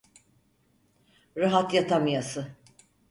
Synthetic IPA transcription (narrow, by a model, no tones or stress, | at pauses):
ɾaɦat̪jat̪ʰamjasɯ